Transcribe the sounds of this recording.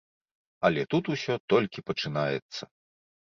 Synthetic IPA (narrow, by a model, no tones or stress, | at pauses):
ɐlʲɛt̪ut̪usʲɔt̪ɔlʲkʲipɐt͡ʂɨnajɛ̰t̪sːɐ